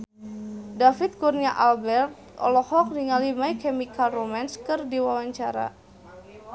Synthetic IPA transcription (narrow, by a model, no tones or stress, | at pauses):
dafit̪̚kurniaʔalbɛrt̪̚ | ɔ̰lɔhɔk̚diŋalimaikɛmikalromanskɨrdiwawaɲt͡ʃaɾa̰